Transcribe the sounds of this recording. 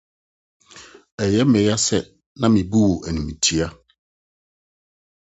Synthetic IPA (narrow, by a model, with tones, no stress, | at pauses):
ɛ˨jɛ˦mɛ̃˨ɾa˦sɛ˨ | nã˦mĩ˨bu˦wo˨ʔɛ˨nũ˨mĩ˨tʰi˦a˦